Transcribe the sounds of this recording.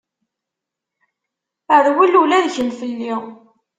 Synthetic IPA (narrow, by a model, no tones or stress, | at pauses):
əɾwilulæðçənfilːi